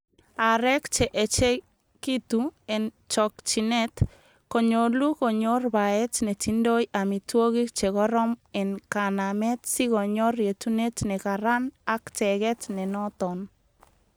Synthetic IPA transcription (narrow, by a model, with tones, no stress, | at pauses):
a˨ɾɛ˦kt͡ʃɛ˨ʔɛ˨t͡ʃɛ˦ | ki˦t̪uɛ˨n | t͡ʃɔkt͡ʃinɛt̪ | kɔ˨ɲolu˦ko˨ɲo˦rbaɛ˦t͡ʃne˨t͡ʃindo˦ja˨mi˨two˦ɣi˦k̚t͡ʃɛ˨ɣɔ˦ɾɔ˦mɛ˨nka˨namɛ˦t̪̚si˦ɣo˨ɲɔ˦rje˨tu˦ne˦t͡ʃnɛ˨kaɾanakt͡ʃɛɣɛ˦t͡ʃnɛ˨nɔt̪ɔn